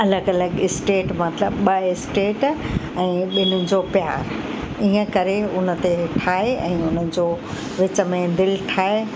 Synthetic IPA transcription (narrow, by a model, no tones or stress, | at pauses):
ɐləɡɐləɡɪsʈeːʈmɐt̪ɪləbɓɐɪsʈeːʈ | ɛ̃ːɓɪnʊd͡ʑopjaːɾ | iɦə̃kɐɾeʊnə̆t̪eʈʰaːɦeɛ̃ːʊnə̆d͡ʑoː | ʋɪt͡ɕə̆mẽd̪ɪlʈʰaːe